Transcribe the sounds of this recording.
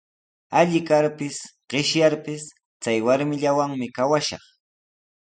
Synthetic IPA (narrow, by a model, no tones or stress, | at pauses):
aʎɪkaɾpɪsɢ̥ɪʃjaɾpɪs | t͡sajwaɾmɪʎawaŋmɪkawaʃɑ̰χ